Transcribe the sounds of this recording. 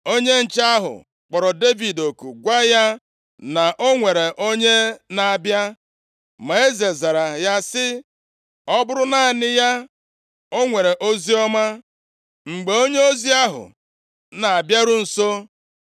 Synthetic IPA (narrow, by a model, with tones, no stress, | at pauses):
o˦ɲe˦n̩˨t͡ʃa˦ɦʊ̰˨ | k͡pɔ˨ɾɔ˨de˦vi˨do˨ku˨ɡʷa˦ja˦ | na˨ʔo˦ŋʷe˨ɾe˨ʔo˦ɲe˦na˨a˨bja˦ | ma˨e˦ze˨za˨ɾa˨ja˦sɪ˦ | ɔ˦bʊ˦ɾʊ˦na˦a˨nɪ˦ja˦ | o˦ŋʷe˨ɾe˨ʔo˦zi˦ɔ˦ma˦ | ŋ͡m̩˨ɡ͡be˨o˦ɲe˦o˦zi˦a˦ɦʊ̰˨ | na˨a˨bja˦ɾʊ˦n̩˨so˦